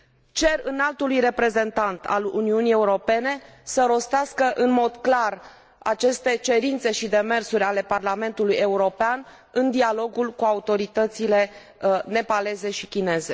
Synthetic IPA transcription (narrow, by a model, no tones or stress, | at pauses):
t͡ʃe̞rɨnalt̪ulujre̞pɾe̞ze̞nt̪ant̪ʰa̰lṵniunije̞uɾo̞pe̞ne̞səɾo̞st̪easkəʔɨnmo̞d̪klar | a̰t͡ʃe̞st̪e̞t͡ʃe̞ɾint̪se̞ʃid̪e̞me̞rsuɾʲale̞parlame̞nt̪uluje̞uɾo̞pean | ɨnd̪ialo̞ɡulkuaut̪o̞ɾit̪ət̪sile̞ | ne̞pale̞ze̞ʃikʲine̞ze̞